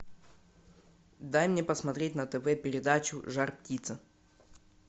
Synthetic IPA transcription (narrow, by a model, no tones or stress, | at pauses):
d̪ajmnʲepəsmɐt̪ɾʲetʲnət̪ɛvɛpʲɪɾʲɪd̪at͡ɕʊ̰ʐarptʲit̪sə